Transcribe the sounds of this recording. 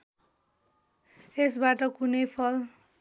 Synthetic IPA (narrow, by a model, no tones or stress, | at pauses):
esbaʈʌkunʌjpʰʌl